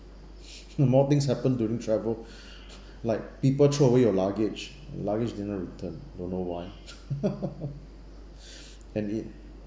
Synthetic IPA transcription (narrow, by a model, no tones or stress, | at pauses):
mɔt̪ĩŋshɛpə̃ndjuɹĩŋtʰɹɛvəl | laɪk̚pipəltʰoəwejɔlaɡɪd͡ʒ̰ | laɡid͡ʒdɛnɔtɹitʰə̃ndõnːowaj | ɛ̃nit̚